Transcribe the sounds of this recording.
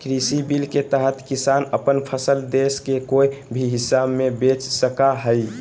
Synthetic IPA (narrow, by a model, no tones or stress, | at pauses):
kɾisibilket̪əɦət̪kisanəpənpʰəsəld̪eskekojbʱiɦisabmebet͡ʃsəkaɦəj